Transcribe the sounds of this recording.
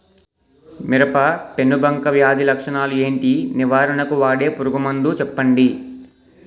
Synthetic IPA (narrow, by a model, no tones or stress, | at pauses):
miɾɐpɐpe̞nːubʱɐŋkɐʋjaːd̪ʱilɐkʂɐɳaːlue̞ːɳʈiniʋaːɾɐɳɐkuʋaːɽe̞ːpuɾuɡumɐnd̪ut͡ʃɛpːɐɳɖi